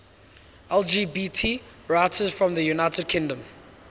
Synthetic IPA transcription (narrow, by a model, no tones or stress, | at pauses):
ɛlˠd͡ʒiːbiːtʰi | ɹaɪtʰəzfɹɔ̃mðəjunaɪtʰəd̚kʰɪ̃ŋdə̃m